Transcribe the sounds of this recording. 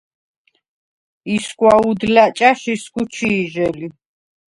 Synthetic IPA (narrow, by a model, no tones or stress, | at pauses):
isɡwaud̪lat͡ʃʼaʃisɡut͡ʃʰiːʒɛli